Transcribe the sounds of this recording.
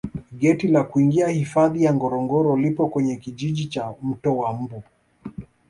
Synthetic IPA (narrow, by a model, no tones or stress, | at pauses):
ɠɛtilakuiŋɡiahifaðijaŋɡɔɾɔŋɡɔɾɔlipɔkwɛɲɛkiʄiʄit͡ʃam̩tɔwam̩bu